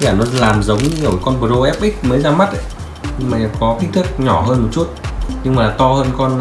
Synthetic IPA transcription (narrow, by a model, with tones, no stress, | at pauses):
kaː˧˩nɔ˨˦laː˨˩mzə˨˦wŋ͡mɲɨ˧ə˧˩˨kɔ˧nɓə˨˩zo˧ʔɛ˦˥p̚ʔï˦˥k̟̚məː˨˦jzaː˧ma˦˥t̚ʔə̰˨˧˨j | ɲɨ˧ŋmaː˨˩˨kɔ˨˦t̪ʰi˦˥t̪ʰɨ˦˥k̚ɲɔ˧˩ɦəː˧nmo˨˩t̚t͡ɕu˦˥t̚ɲɨ˧ŋmaː˨˩t̪ɔ˧həː˧nkɔ˧n